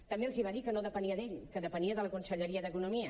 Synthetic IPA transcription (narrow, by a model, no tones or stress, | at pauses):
t̪əmbelˠziβaðikənoðəpəniəðeʎkəðəpəniəðələkunsəʎəɾiəðəkunumiə